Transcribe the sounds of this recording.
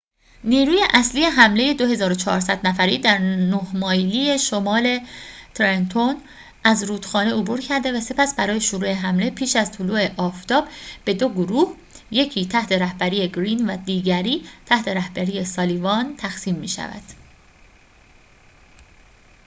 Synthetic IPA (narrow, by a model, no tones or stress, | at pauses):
niːɾuːje̞ʔæsliːje̞ɦæmle̞je̞d̪o̞ɦe̞zɒːɾo̞t͡ʃʰɒ̰ːɾsæd̪næfæɾiːd̪æɾnohmɒːjliːje̞ʃomɒːle̞t̪ʰɾent̪ʰon | ʔæzɾuːd̪̥xɒːneobuɾcʰæɾd̪e̞væse̞pæsbæɾɒːje̞ʃoɾuːeɦæmle̞pʰiːʃæzt̪ʰuluːe̞ʔɒːft̪ʰɒːbb̥e̞d̪o̞ɡoɾuːh | je̞cʰiːt̪ʰæht̪ʰe̞ɾæhbæɾiːje̞ɡɾiːnvæd̪iːɟæɾiːt̪ʰæht̪ʰe̞ɾæhb̥æɾiːje̞sɒːliːvɒnt̪ʰæxsiːmːiːʃæ̰væ̰d̪̥